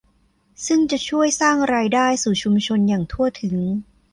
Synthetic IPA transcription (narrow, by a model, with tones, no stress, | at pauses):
sɯ˥˩ŋt͡ɕa˨˩t͡ɕʰu˥˩əjsaː˥˩ŋɾaː˧jdaː˥˩jsuː˨˩t͡ɕʰu˧mt͡ɕʰo˧njaː˨˩ŋt̪ʰu˥˩ɐt̪ʰɯ˨˩˦ŋ